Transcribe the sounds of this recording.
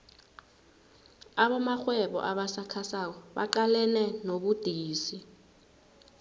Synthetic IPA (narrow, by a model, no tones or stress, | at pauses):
aɓɔmaxwɛɓɔ̰ʔaɓasakʰasak̬ɔɓa̰ǃalɛnɛnoɓud̥ʱiːsi